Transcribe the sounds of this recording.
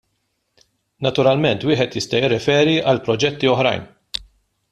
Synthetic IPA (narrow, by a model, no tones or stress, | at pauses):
nɐt̪ʊɾɐlmɛnt̪wɪːħɛt̪jɪst̪ɐjɪrːɛfɛːɾiʔɐlpɾɔd͡ʒɛt̪ːiɔħɾɐ̰jn